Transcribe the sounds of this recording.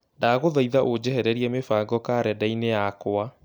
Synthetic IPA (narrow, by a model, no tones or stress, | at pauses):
ndaɣoðɔiðaʔod͡ʑɛɦɛɾɛɾiɛmefaːɡɔkaːɾɛdainejakoa